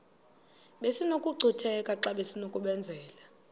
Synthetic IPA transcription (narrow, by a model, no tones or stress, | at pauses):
ɓesinokʼuɡ͡ǀʱitʰɛkʼaǁaɓesinokʼuɓɛnd͡zʱɛːla